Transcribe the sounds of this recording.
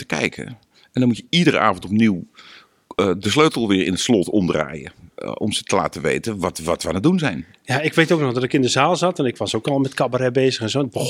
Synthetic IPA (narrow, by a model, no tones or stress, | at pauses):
tə̥kɛ̰jkʰə̰ | ɛndɔnmutjəidəɾə̰ʔa̰ːvən̩tɔp̚niw | dəsløɥtəlˠʋɪːɹɪnətslɔtʰɔmdra̰ːjə̰ʔɔ̰msətəla̰ːtəʋḛjtəʋɔtʋatʋanədunzɛjn | jaɪkʋejtowk̚nɔxdɔtɪkɪndəzaːlˠzɑtɛnɪkʋɑsokɔlˠmɛtkabəɾɛbeːzəxɛnzoːbə